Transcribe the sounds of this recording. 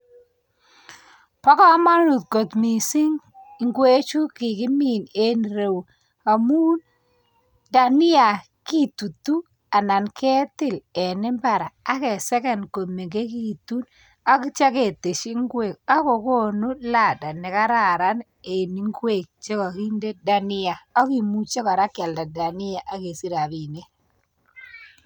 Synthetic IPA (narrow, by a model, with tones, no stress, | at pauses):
pɔ˦kɔ˦ma˦ɾu˨t̚ko˨t̪mi˨si˦ŋ | ŋɡwe˦t͡ʃu˦kɪ˨kɪ˦mi˨ne˦nɾe˨w | a˨mu˦n | da˨nɪ˦a˨ | ki˦tu˨tu˦ | a˨na˨nkʰɛ˦tɪ˦˨lɛ˨nɪ˦mba˨ɾaː˨˦kɛ˨sɛ˦kɛ˦˨nko˨me˨ɡe˦ki˦tu˦n | a˦k̬ɪ˦t͡ʃa˦ke˨te˨ʃi˦ŋɡwe˨k̚a˦kɔ˨ko˦nu˦la˦˨da˨nɪ˨ka˦ɾa˦˨ɾa˦n | e˨ni˨˦ŋɡwe˦˨k̚t͡ʃe˦kɔ˨ki˦nde˦da˦nɪ˦a˨ɔ˦ki˨mu˦t͡ʃe˦ka˨ɾa˦kja˨lda˨da˨nɪ˦a˨ʔa˦ke˨si˦ɾa˨bi˨ne˦